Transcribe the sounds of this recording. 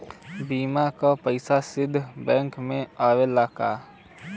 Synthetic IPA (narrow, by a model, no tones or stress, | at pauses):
biːmakapəɪsasɪd̪ʱːbɛ̃ːŋkmẽaːʋelaːka̰ː